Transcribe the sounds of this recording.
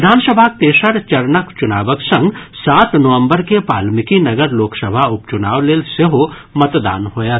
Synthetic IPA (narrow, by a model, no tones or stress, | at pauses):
ɪd̪ʱaːnsəbʱat̪eːʃəɾt͡ʃɐɾnəkt͡ʃʊnaːʋəksɐ̃ŋɡsaːt̪nəʋə̃mbəɾkepaːlmɪkinɐɡəɾloːksəbʱaʊpt͡ʃʊnaːʋleːlseɦo | mɐt̪d̪a̰ːnɦoːja